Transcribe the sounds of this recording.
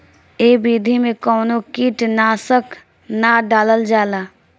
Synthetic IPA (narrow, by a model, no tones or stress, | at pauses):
eːbid̪ʱimẽkɔːnokiːʈnasəkʰ | naɖaːləld͡ʒaːlaː